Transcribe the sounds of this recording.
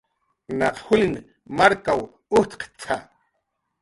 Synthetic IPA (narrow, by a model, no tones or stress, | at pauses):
naqhulin | maɾkaw | ʊht̪qt͡sʰa